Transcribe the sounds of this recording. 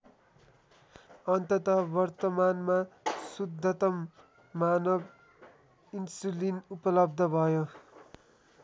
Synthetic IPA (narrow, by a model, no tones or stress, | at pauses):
ʌnt̪ʌt̪ʌbʌrt̪ʌmanmasud̪ʱːʌt̪ʌmː | anʌb | insulinupʌlʌb̚d̪ʱʌbʱʌjo